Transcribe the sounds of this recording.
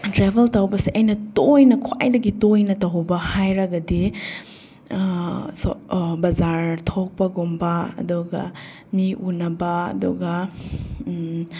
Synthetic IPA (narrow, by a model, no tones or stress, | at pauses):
tɾebʱeltɐwbɐsiʔɐjnɐtojnɐkʰwa̰jdɐɡitojnɐtɐwbɐhajɾɐɡɐdi | sbɐzaɾtʰok̚pɐɡumbɐɐ̰duɡɐ̰ | miʔunɐbɐɐ̰duɡɐ